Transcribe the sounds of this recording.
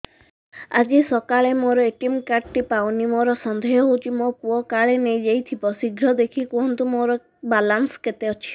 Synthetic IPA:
a̰d͡ʒisɔkaɭemoɾɔeʈimkaʈʈipawnimoɾɔsɔnd̪ʱeɦɔɦot͡ʃʰimopuɔkaɭenejd͡ʒejt̪ʰibɔsiɡɾɔd̪ekʰikoɦɔnt̪umoɾɔ | balansɔket̪eɔt͡ʃʰi̥

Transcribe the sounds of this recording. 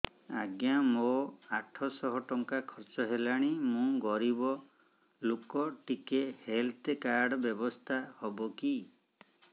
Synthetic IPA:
aɡjamoaʈʰɔsɔɦɔʈɔŋkakʰɔɾt͡ʃɔɦelaɽ̃imũɡɔɾibɔ | lokɔʈikehelt̪ekaɾɖɔbjɔbɔst̪ʰahɔbɔki

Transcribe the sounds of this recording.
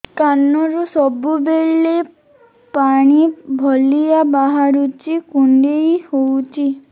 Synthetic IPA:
kanːɔɾusɔbubeɭːe | paɽ̃ibʱɔlijabaɦaɾut͡ʃikuɳɖejhowt͡ʃʰi

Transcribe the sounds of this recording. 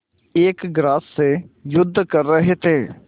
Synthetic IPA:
eːkɡɾaːsːejʊd̪ʱːkəɾːəɦet̪ʰeː

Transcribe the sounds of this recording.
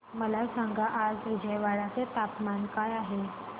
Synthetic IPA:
məlasãŋɡaʔad͡zʋid͡ʑəjʋaɽat͡set̪apmankajaɦe

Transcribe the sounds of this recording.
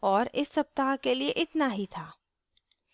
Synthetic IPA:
ɔːɾɪsːɐp̚t̪aːɦkelieʔɪt̪naɦit̪ʰaː

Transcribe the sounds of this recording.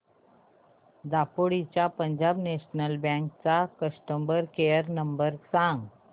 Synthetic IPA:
d̪apoɽit͡ɕjapəɲd͡ʑabneɕnəlbãŋk̚t͡sakəsʈəmbəɾkejəɾnəmbəɾsãŋɡ

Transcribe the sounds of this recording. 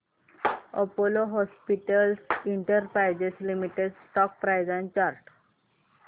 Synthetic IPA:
opoloɦɔspiʈəlsiɳʈəɾpɾajd͡ʑeslimiʈeɖsʈɔk̚pɾajd͡zãnt͡ɕaɾʈ

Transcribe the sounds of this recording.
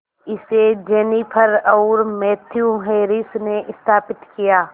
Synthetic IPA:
ɪsed͡ʒɛːnipʰəɾɔːɾmɛːt̪ʰjũɦeːɾɪsneʔɪst̪ʰaːpɪt̪kijaː

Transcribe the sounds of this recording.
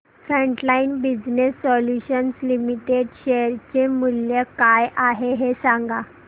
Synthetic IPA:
fɾəɳʈlainbid͡ʑnesːɔljuɕənslimiʈeɖɕeɾt͡ɕemuljəkajʔaɦeɦesãŋɡa

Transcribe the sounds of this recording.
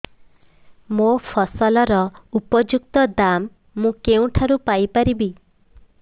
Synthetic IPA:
mopʰɔsɔlɔɾɔupɔd͡ʒuk̚t̪ɔd̪amː | ũkeũʈʰaɾupajpaɾibi

